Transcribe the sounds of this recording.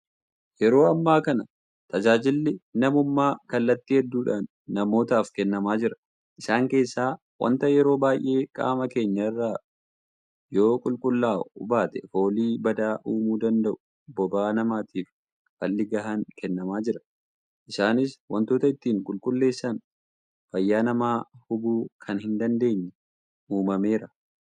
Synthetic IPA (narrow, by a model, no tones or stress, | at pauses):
jɛɾo̞ːɐmːaːkɐnɐ | t̪ɐd͡ʒaːd͡ʒɪlːɪnɐmʊmːaːkɐlːɐt̪ːɪhɛd̪ːuːᶑaːnːɐmo̞ːt̪aːfkɛnːɐmaːd͡ʒɪɾɐ̥ | ʔɪsaːŋke̞ːsːaː | wɐ̰nt̪ɐjɛɾo̞ːbaːjʔe̞ːkʼa̰ːmɐke̞ːɲːɐɪrːaː | jo̞ːkʼʊlkʼʊlːaːʊbaːt̪ɛfo̞ːliːbɐd̪aːʔuːmuːd̪ɐnd̪ɐʔʊ̥ | bɔbaːnɐmaːt̪ʰiːf | fɐlːɪɡɐɦɐŋkɛnːɐmaːd͡ʒɪɾɐ̥ | ʔɪsaːnɪswɐnt̪o̞ːt̪ɐɪt̪ːiːŋkʼʊlkʼʊlːe̞ːsːɐn | fɐjːaːnɐmaːhʊbuːkʰɐnhɪnd̪ɐnd̪e̞ːɲːɛ | uːmɐme̞ːɾɐ